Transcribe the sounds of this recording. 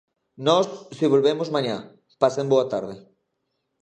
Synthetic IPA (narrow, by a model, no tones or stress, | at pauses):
nɔsːiβ̞olβemozmãɲa | pasemboat̪aɾð̞ɪ